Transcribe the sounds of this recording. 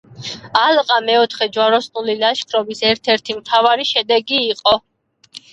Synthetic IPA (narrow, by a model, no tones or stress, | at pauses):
alqʼamɛɔt̪ʰχɛd͡ʒwaɾɔsnulilaʃkʰɾɔbisɛɾt̪ʰɛɾt̪ʰimt̪ʰavaɾiʃɛd̪ɛɡiːqʼɔ